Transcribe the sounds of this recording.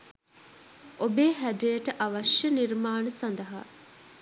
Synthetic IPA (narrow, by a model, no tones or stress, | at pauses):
ʔobeːɦædijeʈəʔɐʋɐʃjəniɾmaːnəsɐnd̪ɐɦa̰